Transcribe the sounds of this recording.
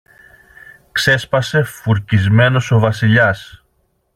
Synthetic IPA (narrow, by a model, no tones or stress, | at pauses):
kse̞spɐse̞fuɾcizme̞no̞so̞vɐsiʎɐs